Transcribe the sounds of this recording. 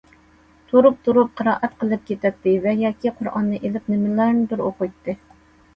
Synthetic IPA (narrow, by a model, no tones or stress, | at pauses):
t̪ʰoɾup̚t̪ʰuɾup̚qʰəɾɑːʔɛt̪qʰəlˠɨp̚kʲet̪ɛt̪ːɪvɛjɑːkʲʰiqʰʊɾʔɑ̰nːɨʔelɪp̚nɪmɪlˠɑɾnɨbɪɾoqʊjt̪ʰːɨ